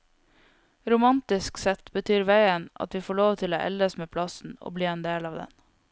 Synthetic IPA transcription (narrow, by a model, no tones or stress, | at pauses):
ɾʊmɑnt̪ɪsksɛt̪bət̪ʰyːɾʋæɪənʔɑ̰t̪ʋiːfoːɭoːʋt̪ʰɪlo̰ːʔɛ̰ld̪əsmeːpʰlɑsn̩o̰ːbliːeːnd̪eːlɑːʋd̪ɛ̰n